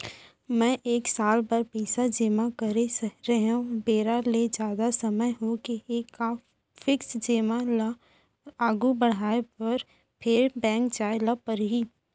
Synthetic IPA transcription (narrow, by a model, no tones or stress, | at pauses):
mɛ̃ːʔeːksaːlpɐɾpɛɪsad͡ʒeːmakəɾesəɾeɦũbeːɾaled͡ʒjaːd̪asɐməjɦokieːka | fɪksd͡ʒeːmala | aːɡubəɽ̤aːepəɾ | pʰɪɾbɛ̃ːŋk̚d͡ʒaːelapəɾɦiː